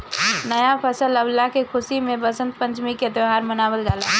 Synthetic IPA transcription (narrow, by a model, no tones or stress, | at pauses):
nəjapʰəsələblakekʰʊsimẽbəsə̃nt̪̚pə̃ɲt͡ʃmiked̪eɦaːɾmənaːwəlɡaːlaː